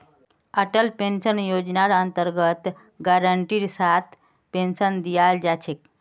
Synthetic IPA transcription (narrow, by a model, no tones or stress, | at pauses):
əʈəlpensənjod͡ʒnaɾənt̪əɾɡət̪ | ɡaɾəɳʈiɾsat̪ʰ | pensənd̪ijald͡ʒat͡ʃʰek